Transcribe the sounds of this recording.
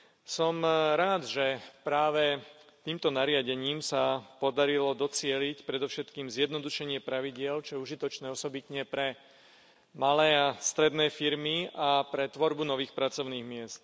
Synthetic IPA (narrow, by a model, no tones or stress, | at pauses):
sɔmɾaːd̪ʒɛpɾaːʋɛt̪iːmt̪ɔnaɾɪaɟɛɲiːmsapɔd̪aɾilɔd̪ɔt͡sɪɛlicpɾɛd̪ɔʊʃɛt̪kiːmzjɛd̪nɔd̪uʃɛɲɪɛpɾaʋiɟɪɛlt͡ʃɔjɛuʒit̪ɔt͡ʃnɛːɔsɔbit̪ɲɛpɾɛ | malɛːast̪ɾɛd̪nɛːfiɾmiapɾɛt̪ʋɔɾbunɔʋiːxpɾat͡sɔʊniːɣmɪɛst̪